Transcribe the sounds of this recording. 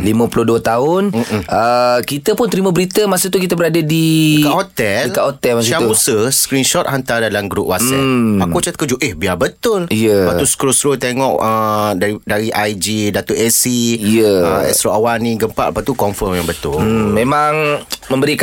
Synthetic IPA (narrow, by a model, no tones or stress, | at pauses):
limə̃pulʊduət̪aʊnʔəkit̪əpʊnt̪əɾimabəɾit̪əmasət̪ukit̪abəɾadadikaɦot̪ɛlikahot̪ɛlmãssamusəskɾinʃɔt̪̚ɦant̪adalamɡɾup̚wʔasɛakut͡ʃat̪̚kəd͡ʒuʔɛhbiabət̪ʊlijəbat̪uskɾusɾot̪eŋɔʔədaidaɾiʔajd͡ʒidat̪uʔɛsiijəəɛ̰st̪ɾoawanĩɡəmpa̰ʔlapaʔt̪ukɔmfəmjaŋbət̪ʊlm̩mẽmãŋmə̃mbəɾik